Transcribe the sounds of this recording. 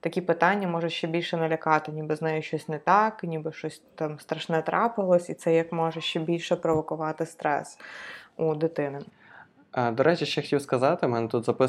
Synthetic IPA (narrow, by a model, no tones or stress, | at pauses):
t̪ɐkʲipɪt̪ɑnʲːɐmɔʒɐʃt͡ʃːɛbʲilʲʃɛnɐlʲɐkɑt̪ɪnʲibɨznajʊʃt͡ʃɔsʲnɛt̪ɑknʲibɪʃt͡ʃɔsʲt̪ɑmst̪ɾɐʃnɛt̪ɾɑpɪlˠɔsʲit̪sɛjɐkmɔʒɐʃt͡ʃːɛbʲilʲʃɛpɾɔʋɔkʊʋɑt̪ɪst̪ɾɛ̰sud̪ɪt̪ɪnɪ | d̪ɔɾʔɛt͡ʃʲiʃɛxɐ̥tʲiwskɐzɑt̪ɪmɛnɛt̪ut̪zɐpɪ